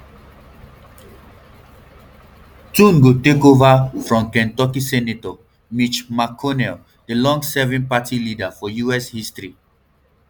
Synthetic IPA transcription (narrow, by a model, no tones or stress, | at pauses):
tũnɡotekovafɹɔ̃mkɛ̃ntɔkisɛnetɔ | mit͡ʃmakʰɔnɛl | delɔ̃ŋɡsɛvĩnpatilidafɔjuɛshistɹi